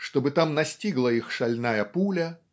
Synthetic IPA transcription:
ʂt̪obɨt̪amnɐsʲtʲiɡlˠəixʂɐlʲnajɐpulʲɐ

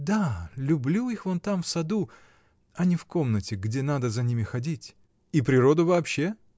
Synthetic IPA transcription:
d̪alʲʊblʲuixvont̪amfsɐd̪u | ɐnʲɪfko̞mnətʲɪɡdʲe̞nad̪əzɐnʲimʲɪxɐdʲitʲ | ipɾʲɪɾo̞d̪ʊvɐːpɕːe̞

